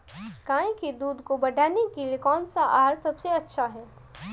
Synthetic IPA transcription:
kaːẽked̪uːd̪kobɐɖʱaːnekeliekɔːnsaʔaːɾsɐbseɐtːʃʰaɦɛː

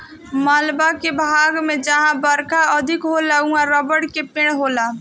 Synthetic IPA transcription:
məlbakebʱaɡmed͡ʒaɦãbəɾkaəd̪ʱikɦolaũaɾəbəɽkepẽɽɦola

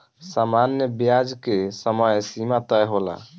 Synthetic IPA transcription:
samanjəbjad͡ʒkesəməjsimat̪əjɦola̰

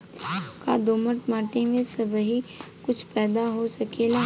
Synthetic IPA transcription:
kad̪oːməʈmaːʈemẽsɐbɦikʊt͡ʃʰpɛːd̪aɦosɐkeːla

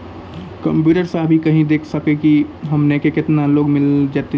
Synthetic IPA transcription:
kɐ̃mpjuːʈəɾsaːɦbʱikɐɦĩd̪eːkʰsəkekiɦɐmnekekɪt̪naloːɡmɪld͡ʒaːt̪e

